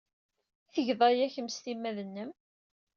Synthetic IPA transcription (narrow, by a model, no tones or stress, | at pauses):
θəʝðˤɑjæçəmst̪imːæðənːəm